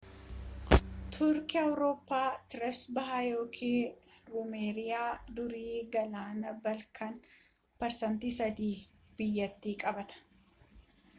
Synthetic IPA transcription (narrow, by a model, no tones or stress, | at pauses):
t̪ʰʊɾkɪɐwɾo̞ːpːaːt̪ɪɾɛsbɐɦajo̞ːkʰiːɾʊmeːɾɪjaːd̪ʊɾiːɡɐlaːnɐbɐlkʰɐn | pɐɾsɐnt̪iːsɐd̪iː | b̥ɪjːɐt̪ːiːkʼɐbɐt̪ɐ̥